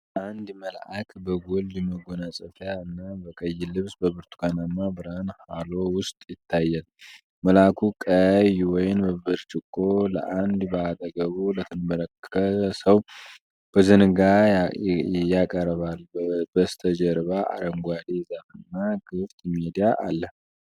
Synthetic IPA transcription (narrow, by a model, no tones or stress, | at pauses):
ʔand̪məlʔakʰbəɡolːiməɡonasʼəfjaɨnːabəkʼəjːɪlɨβsbəbɨɾt̪ʰu̥kanamːabɨɾanhalo̞wʊst̪ʼjɪt̪ʰːajːal | məlakʰukʼəjwɔjɪnbəβɨɾt͡ʃʼɪkʼːolə̰ʔand̪bəat̪ʼəɡəβulət̪ʰɨnmələkʰːətsəw | b̥əzɨnɡa | jakʼəɾβalbbəst̪ʰəd͡ʒəɾβaʔa̰ɾəŋɡʷad̪ezamɨnːaɡɨft̪ʼmed̪ijaʔalːə